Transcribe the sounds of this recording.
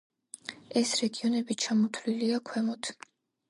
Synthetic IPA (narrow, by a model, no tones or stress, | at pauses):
ɛsɾɛɡiɔnɛbit͡ʃʰamɔt̪ʰwliliakʰwɛmɔt̪ʰ